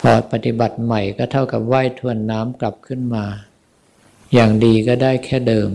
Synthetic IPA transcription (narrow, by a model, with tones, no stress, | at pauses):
pʰɔː˨˧˩pa˧t̪i˨˧˩ba˨˩t̪̚ma˨˩jkɔː˥˩t̪ʰa˥˩wka˨˩p̚waː˥˩jt̪ʰu˧˩ənːaː˦˥mkla˨˩p̚kʰɯ˥˩nmaː˧ | jaː˨˩ŋdiː˧kɔː˥˩daː˥˩jkʰɛː˥˩dɤː˧m